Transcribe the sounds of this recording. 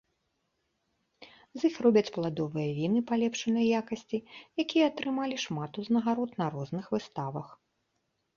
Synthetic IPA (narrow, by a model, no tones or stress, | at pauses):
zixrɔbʲɐt͡sʲplˠad̪ɔvɨjɐvʲinɨpalʲɛpʂɐnɐjjakɐsʲt͡sʲijakʲijɐːt̪ɾɨmalʲiʂmat̪uznɐɣaɾɔt̪nɐɾɔznɨxvɨst̪avɐx